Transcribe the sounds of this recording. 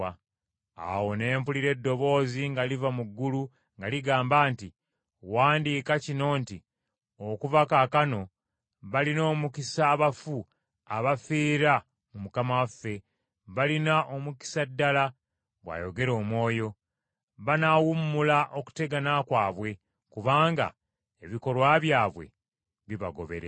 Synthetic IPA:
a̰wo̞ne̞ːmpuliɾe̞dːo̞βo̞ːziŋɡalivamuɡːulu | ŋɡaliɡaːmbaːnti | waːndiːkacino̞ːnti | okuvakakano̞ | βalino̞ːmukisaːβafu | aβafiːɾa | mumukamawafːe̞ | βalinaʔomuki̥sadːala | βwa̰ːjoɡe̞ɾo̞ːmwo̞ːjo̞ | βanawumːulaʔo̞ku̥te̞ɡanakwaːβwe̞ | kuβaːŋɡa̰ | eβiko̞lwaβjaːβwe̞̰ | βiβa̰ɡo̞̰βe̞̰ɾḛ

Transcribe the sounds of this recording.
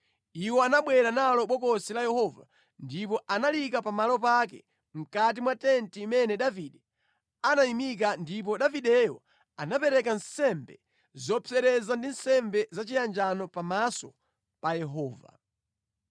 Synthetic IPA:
iwɔanaɓwɛɾanalɔɓɔkɔsilajɛhɔva̰ | ndip̬ɔʔanalikapamalɔp̬ak̬ɛ̰ | m̩kat̬imwatɛntimɛnɛɗaviɗɛ | anaimik̬andip̬ɔɗaviɗɛjɔ | anapɛɾɛkan̩sɛmbɛ | zɔpʰɛɾɛzandinsɛmbɛzat͡ʃijand͡ʒanɔpamasɔ | pajɛɦɔːva̰

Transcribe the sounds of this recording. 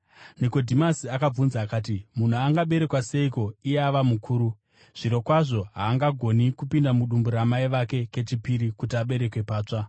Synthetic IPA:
niko̞dʱimasiakab͡vunzaːkaːt̬imun̤uaŋɡaɓe̞ɾe̞kwase̞iko̞ijeaʋamukʰuːɾu | ʐ̥iɾo̞kwaʐo̞ɦaːŋɡaɡʱo̞nikupindamuɗumbuɾamaiʋake̞ke̞t͡ʃipiɾikutiaɓe̞ɾe̞kwe̞paːt͡ʂa

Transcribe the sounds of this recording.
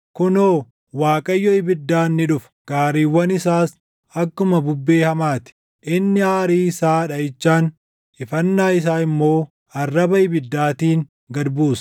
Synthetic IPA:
kʊnoː | waːkʼɐjːɔɪbɪd̪ːaːnːɪᶑʊf | ɡ̥aːɾiːwːɐnɪsaːs | ɐkːʊmɐbʊbːe̞ːhɐmaːt̪ɪ̥ | ʔɪnːɪaːɾiːɪsaːᶑɐɪt͡ʃːaːn | ɪfɐnːaːɪs̬aːɪmːo̞ː | ɐrːɐbɐɪbɪd̪ːaːt̪iːŋ | ɡɐɾbuːs

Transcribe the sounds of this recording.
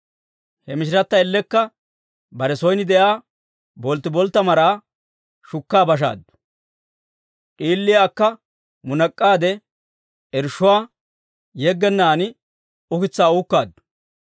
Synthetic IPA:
hɛmɪʃ̬ɪɾɐt̪ːɐɛlːɛkːɐ | bɐɾɛsɔjnɪd̪ɛjaː | bɔlt̪ːɪbɔlt̪ːɐmɐɾaː | ʃʊkːaːbɐʃ̬a̰ːd̪ːʊ̥ | ʔʼiːlːɪjaːkːɐ | mʊnɐkʼːaːd̪ɛ | ɛɾʃːʊwaː | jɛɡːɛnːaːnɪ | ʊkɪt͡sːaːuːkːaːd̪ːʊ̥

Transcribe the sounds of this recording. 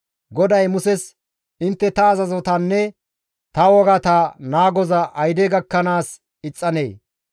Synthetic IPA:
ɡɔd̪ɐjmʊsɛs | ʔɪnt̪ːɛt̪ɐːzɐzɔt̪ɐnːɛ | t̪ɐwɔɡɐt̪anaːɡɔzɐʔɐjd̪ɛɡɐkːɐnaːs | ɪt͡sʼːɐneː

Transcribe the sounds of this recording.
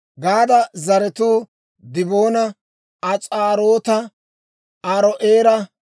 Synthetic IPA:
ɡaːd̪ɐzɐɾɛt̪uː | d̪ɪbo̞ːnɐ | ɐt͡sʼaːɾoːt̪ɐ | aɾɔʔeːɾɐ

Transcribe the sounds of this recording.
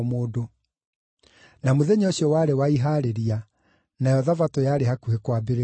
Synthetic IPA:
moːdo | namoðɛɲɔɕɔwaɾewaiɦaɾeɾia | najɔðavatojaːɾeɦakuhekwaːbeɾe

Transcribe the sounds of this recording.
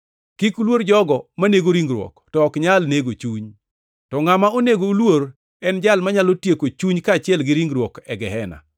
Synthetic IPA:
kikulwoɾd͡ʒɔɡɔmaneɡoɾiŋɡɾwɔ̰ktɔːkɲalneɡot͡ʃuɲ | tɔŋamaoneɡoulwoɾ | ɛnd͡ʒalmaɲalotjekot͡ʃuɲkaːt͡ʃɪɛlɡɪɾiŋɡɾwɔkɛɡɛɦɛna̰

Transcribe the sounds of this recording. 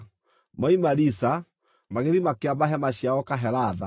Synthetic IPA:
maimaɾisa | maɣeðimakeamaɦɛmaɕaɔkaɦɛɾaða

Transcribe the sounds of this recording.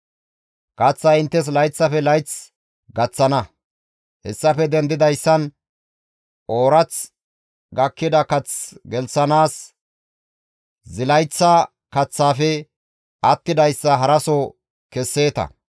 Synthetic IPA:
kɐt͡sːɐɪnt̪ːɛs̬lɐjt͡sːɐfɛlɐjt͡s | ɡɐt͡sːɐnɐ | hɛ̰sːɐfɛd̪ɛnd̪ɪd̪ɐjsːɐn | ʔo̞ːɾɐt͡s | ɡɐkːɪd̪ɐkɐt͡sɡɛlsɐnaːs | zɪlɐjt͡sːɐ | kɐt͡sːaːfɛ | ʔɐt̪ːɪd̪ɐjsːɐɦɐɾɐso | kɛsːe̞ːt̪ɐ̰

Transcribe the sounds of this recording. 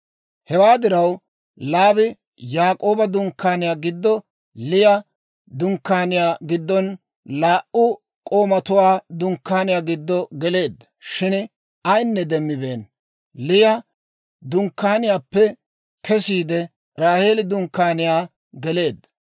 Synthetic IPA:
hɛwaːd̪ɪɾɐw | laːbɪ | jaːkʼo̞ːbɐd̪ʊŋkːaːnɪjaːɡɪd̪ːɔ | lɪjɐ | d̪ʊŋkːaːnɪjaːɡɪd̪ːɔn | laːʔʊ | kʼo̞ːmɐt̪ʊwaːd̪ʊŋkːaːnɪjaːɡɪd̪ːɔɡɛle̞ːd̪ːɐ̥ʃɪn | ɐjnːɛd̪ɛmːɪbe̞ːn | lɪjɐ | d̪ʊŋkːaːnɪjaːpːɛ | kɛsiːd̪ɛ | ɾaːhe̞ːlɪd̪ʊŋkːaːnɪjaː | ɡɛle̞ːd̪ːɐ̥

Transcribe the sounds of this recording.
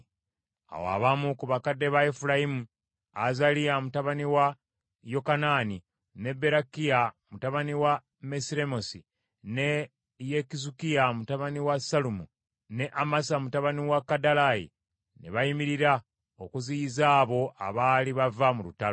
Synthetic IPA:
a̰wa̰βamukuβakadːe̞βaefuɾaimu | azalijamutaβaniwa | jo̞kanaːni | ne̞bːe̞ɾakijamutaβaniwa | mesiɾe̞mosi | ne | jekizukijamutaβaniwasalumu | ne̞ʔamasamutaβaniwakːadalajḭ | ne̞̰βaimiɾiɾa | okuziizaːβo̞ʔa̰βaːliβavamuluta

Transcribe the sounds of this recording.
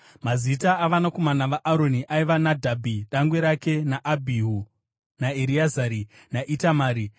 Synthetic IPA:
mazitaːʋanako̞manaʋaʔaɾo̞niʔaiʋanadʱabʱiɗaŋɡwe̞ɾake̞naʔabʱiɦu | naeɾiazaːɾi | naʔitamaːɾi

